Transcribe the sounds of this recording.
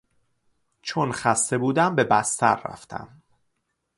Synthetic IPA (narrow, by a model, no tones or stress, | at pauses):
t͡ʃʰonxæst̪e̞buːd̪æmbe̞bæst̪ʰæ̰ɾːæ̰ft̪ʰæ̰m